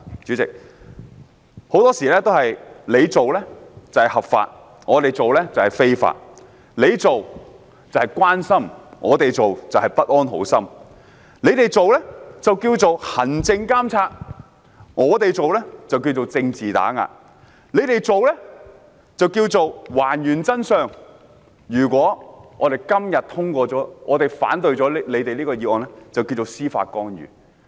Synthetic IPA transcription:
t͡ʃyː˨˥t͡sɪ̰˨k̚ | ho˨˧˥wt̪ɔː˥siː˨˩lɛː˥t̪o˥whɐ˨jle˨˧jt͡so˨wlɛː˥t͡sɐ˨hɐ˨˩hɐ˨pfa̰ː˧t̚ | ŋɔː˨˧t̪e˨jt͡so˨wlɛː˥t͡sɐ˨whɐ˨jfe˥jfa̰ː˧t̚ | le˨˧jt͡so˨w | t͡sɐ˨whɐ˨jkʷaː˥nsɐ˥mŋɔː˨˧t̪e˨jt͡so˨wt͡sɐ˨whɐ˨jpɐ˥t̚ʔɔː˥nɦo̰˨˥wsɐ˥m | le˨˧˥jt̪e˨jt͡so˨wlɛː˥t͡sɐ˨wkiː˧wt͡so˨whɐ˨˩nt͡sɪ˧ŋkaː˥mt͡sʰaː˧t̚ | ŋɔː˨˧t̪e˨jt͡so˨wlɛ˥t͡sɐ˨wki˧wt͡so˨wt͡sɪ˧ŋt͡siː˨t̪a̰ː˨˥ŋa̰ː˧t̚ | le˨˧jt̪e˨jt͡so˨wlɛ˥ | t͡sɐ˨wkiː˧wt͡so˨wwaː˨˩njyː˨˩nt͡sɐ˥nsœː˨ŋ | jyː˨˩kʷɔː˨˥ŋɔː˨˧t̪e˨˩jkɐ˥mjɐ˨t̚t̪ʰʊ˥ŋkʷɔː˧t͡sɔː˨˥ŋɔː˨˧t̪e˨jfa̰ː˨˥nt̪ɵ˧ɥt͡ʃɔː˨˥lle˨˧jt̪e˨liː˥kɔː˧jiː˧˥ʔɔː˨˩nlɛ˥t͡sɐ˨wkiː˧t͡so˨wsiː˥fa̰ː˧t̚kɔː˥njy̰ː˨˩

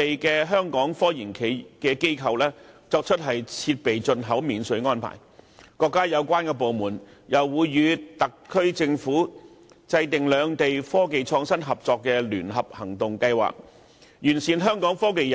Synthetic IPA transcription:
e˨jkɛː˧ɦœː˥ŋkɔː˨˥ŋfɔː˥jiː˨˩nkʰe˨jkɛː˧ke˥jkʰɐ˧wlɛː˥t͡sɔː˧k̚t͡ʃʰɵ˥t̚ɦɐ˨jt͡sʰiː˧t̚pe˨jt͡ʃɵ˧nɦɐ˨˥wmiː˨˧nsɵ˨˥ŋɔː˥npʰa̰ː˨˩jkɔː˧kːaː˥jɐ˨˧wkʷaː˥nkɛː˧p̬o˨wmuː˨˩njɐ˨˩wːuː˨˧jːyː˨˧t̪ɐ˨kʰːɵ˥ɥt͡sɪ˧ŋfuː˨˥ | t͡sɐ˧jt̪ɪ˨ŋlœː˨˧ŋt̪e˨jfɔː˥ke˨jt͡sʰɔː˧ŋsɐ˥nɦɐ˨p̚t͡sɔː˨˧kːɛː˧lyː˨˩nɦɐ˨p̚hɐ˨˩ŋt̪ʊ˨ŋkɐ˧jwa̰ː˨k̚ | jyː˨˩nsiː˨nɦœː˥ŋkɔː˨˥ŋfɔː˥k̬e˨j

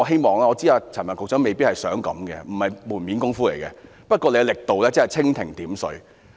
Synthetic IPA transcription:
ɔː˨˧ɦe˥jmɔː˨ŋlaː˥ŋɔː˨˧t͡siː˥aː˧t͡sʰaː˨˩nmɐ˨˩kʊ˨k̚t͡sœː˨˥ŋme˨jpiː˥t̚hɐ˨jsœː˨˥ŋkɐ̰˨˥mɡɛ̰˧m̩˨˩hɐ˨jmuː˨˩nmiː˨˥nkʊ˥ŋfuː˥le˨˩jkɛ̰ː˧ | pɐ˥t̚kʷɔː˧le˧jlɪ˨k̚t̪o˨wlɛː˥t͡shɐ˨jt͡sʰɪ˥ŋt̪ʰɪ˨˩ŋt̪iː˨˥msɵ̰˨˧˥ɥ

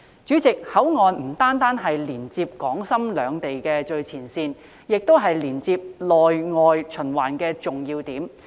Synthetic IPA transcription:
t͡ʃyː˨˥t͡sɪ˨k̚hɐ˨˥wŋɔː˨˧nm̩˨˩t̪aː˥nt̪aː˥nɦɐ˨jliː˨˩nt͡siː˧p̚kɔː˨˥ŋsɐ˥mlœː˨˧ŋt̪e˨jkɛː˧t͡ʃɵ˧ɥt͡sʰiː˨˩nsiː˧n | jɪ˨k̚t̪o˥wɦɐ˨jliː˨˩nt͡siː˧p̚lɔː˨jŋɔː˨˧jt͡ʃʰɵ˨˩nwaː˨˩nkɛː˧t͡sʊ˨ŋjiː˧wt̪iː˨˥m

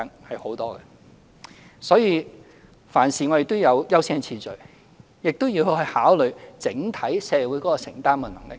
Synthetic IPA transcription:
ɐ˨ŋhɐ˨jho˨˥wt̪ɔː˥ɡɛ̰˧ | sɔː˨˥jiː˨˧ | faː˨˩nsiː˨ŋɔ˨˧je˨˩t̪ːo˥wjɐ˨˧wjɐ˥wsi˥ŋt͡sʰiː˧t͡ʃɵ˨˩ɥ | jɪ˨k̚t̪wji˧whɵ˧hɵ˧jhaː˨˥wlɵ˨ɥt͡sɪ˨˥ŋt̪ʰɐ˨˥jsɛː˧˨wu˨˥jkɔː˨˥kɔ˧sɪ̰˨˩ŋt̪aː˥nkɐ˧˨˩nɐ˨˩ŋlɪ̰˨k

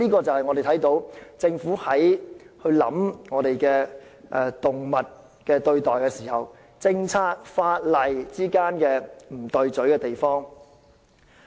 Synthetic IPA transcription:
niː˥kɔː˧t͡sɐ˨whɐ˨jŋɔː˨˧de˨jt̪ʰɐ˨˥jt̪o˨˥wt͡sɪ˧ŋfuː˨˥hɐ˨˥jhɵ˧ɥlɐ̰˨˥mŋɔː˨˧t̪e˨jkɛː˧ | ʔɛ˧t̪ʊ˨ŋmɐ˨˩t̚ | kɛː˧t̪ɵ˧ɥt̪ɔː˨jkɛː˧siː˨˩hɐ˨w | t͡sɪ˧ŋt͡sʰaː˥k̚faː˧t̚lɐ˨jt͡siː˥kaː˥nkɛː˧m̩˨˩t̪ɵ˧ɥt͡sɵ˨˥ɥkɛː˧t̪e˨jfɔː˥ŋ

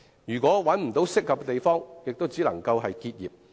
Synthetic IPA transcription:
jyː˨˩kʷɔː˨˥wɐ˨˥nm̩˨˩t̪o˨˥wsɪ˥k̚ːɐ˨˧p̚kt̪e˨jfɔː˥ŋjɪ˨k̚t̪o˥wt͡siː˨˥lɐ˨˩ŋkɐ˧wɦɐ˨jkiː˧t̚jiː˨p̚

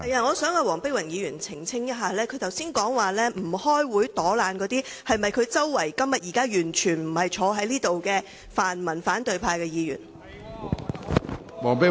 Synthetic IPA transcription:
hɐ˨jaː˧˩ŋɔː˨˧sœː˨˥ŋaː˨˧wɔː˨˩ŋpe˥wɐ˨˩ŋjiː˨˧jyː˨˩nt͡sʰɪ˨˩ŋt͡sʰɪ˥ŋjɐ˥t̚ɦaː˨lɛː˥kʰɵ˨˧jt͡sɐ˨wsiː˥nkɔː˨˥ŋwaː˨lɛː˥m̩˨˩hɔː˥jwuː˨˥jt̪ɔː˨˥laː˨˧nkɔː˨˧t̪iː˥hɐ˨jmɐ˨jkʰɵ˨˧t͡sɐ˥wːɐ˨˩jkɐ˥mjɐ˨t̚jiː˨kaː˥jyː˨˩nt͡ʃʰyː˨˩nm̩˨˩hɐ˨jt͡ʃʰɔː˨˧ɦɐ˨˥jliː˥t̪o˨wkɛː˧ | faː˨nmɐ˨˩nfaː˨˥nt̪ɵ˨˧ɥpʰaː˧jkɛː˧jiː˨˧jy̰˨˩n | wɔː˨˩pe˥

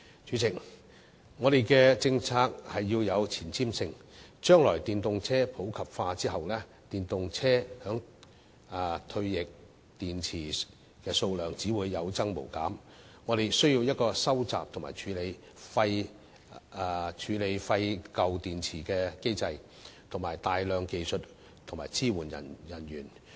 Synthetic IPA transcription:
t͡ʃyː˨˥t͡sʰɪ˨˩k̚ | ŋɔː˨˧ɾe˨˩jkɛː˧t͡sɪ˧ŋt͡sʰaː˧k̚hɐ˨jːiː˧wjɐ˨˧wt͡sʰiː˨˩nt͡sʰiː˥msɪ˧ŋt͡ʃœː˥ŋlɔː˨˩jt̪iː˨nt̪ʊ˨ŋt͡sʰɛː˥pʰo˨˥wkʰɐ˨p̚faː˧t͡siː˥ɦɐ˨wlɛː˥ | t̪iː˨˩nt̪ʊ˨ŋt͡sʰɛː˥hœː˨˥ŋː˨˩ | t̪ʰɵ˧ɥjɪ˨k̚ | t̪iː˨nt͡sʰiː˨˩ | kɛː˧so˧wlœː˨ŋt͡siː˨˥wuː˨˧jːɐ˨˧wt͡sɐ˥ŋmo̰˨˩wkaː˨˥m | ŋɔː˨˧ɾe˨jsɵ˥ɥji˧wjɐ˥t̚kɔː˧sɐ˥wt͡sa̰ː˨p̚t̪ʰʊ˨˩ŋma̰ː˨˩jt͡ʃʰyː˨˧le˨˧j | fɐ˧j | t͡ʃʰyː˨˧le˨˧jfɐ˧jkɐ˨wt̪iː˨nt͡sʰiː˨˩kɛː˧ke˥jt͡sɐ˧j | t̪ʰo˨˩ŋmaː˨˩jt̪aː˨jlœː˨˧ŋke˨jsɵ˨t̚ | t̪ʰʊ˨˩ŋmaː˨˩jt͡sʰiː˥wuː˨˩njɐ̰˨˩njɐ˨˩njyː˨˩n

